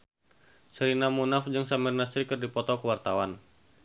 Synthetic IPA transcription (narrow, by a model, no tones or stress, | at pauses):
sɾinamunafd͡ʒɨəŋsamɛrnasɾikɨrdipɔt̪ɔkəwart̪awan